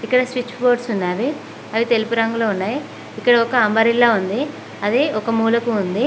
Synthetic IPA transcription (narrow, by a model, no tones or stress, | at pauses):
ikːɐɽɐsʋit͡ʃːboːɖsunːaːɾi | ɐʋit̪e̞lipuɾɐŋɡuloːunːaːji | ikːɐɽɐɔkɐɐmbɐɾilːaːund̪i | ɐd̪eːɔkɐmuːlɐkuːnd̪i